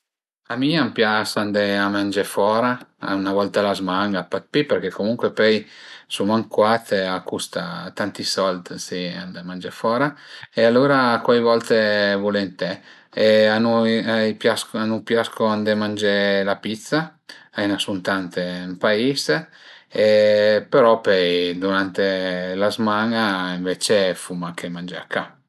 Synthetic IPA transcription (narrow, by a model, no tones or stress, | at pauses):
amiampjasand̪eamand͡ʒefɔːɾaa̰unavɔlt̪alazmaŋɡapat̪̚piperkekʰːomuŋkwepɛjsumaŋkwat̪eakust̪at̪ant̪isɔlt̪siand̪amand͡ʒefɔːɾaealːuːɾakwajvɔlt̪evulent̪ɛ | eanuipjaskanupjaskoand̪emand͡ʒelapit̪sːaajnasunt̪ant̪empais | epeɾɔpɛjd̪uɾant̪elazmaŋaiɱvet͡ʃefumakʰemand͡ʒa̰kʰːa